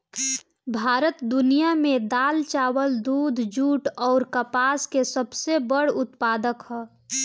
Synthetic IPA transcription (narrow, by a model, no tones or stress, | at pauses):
bʱaːɾət̪d̪ʊnijamẽd̪aːlt͡ʃaːwəld̪uːd̪ʱd͡ʒuːʈɔːɾkəpaːskesəbsebəɽʊt̪paːd̪əkhɛː